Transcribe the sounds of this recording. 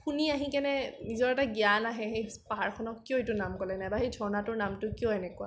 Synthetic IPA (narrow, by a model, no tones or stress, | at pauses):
xuniaɦĩkɛnɛnizɔɹɛtaɡianaɦɛxejspaɦaɹkʰɔnɔkːiɔetʊnamkɔlɛnajbaxejdʱɔɹnatʊɹnamtʊkijɔɛnɛkua